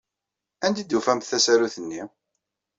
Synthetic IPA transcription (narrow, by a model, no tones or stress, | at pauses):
ænd̪id̪ːufæmθæsæɾuθənːi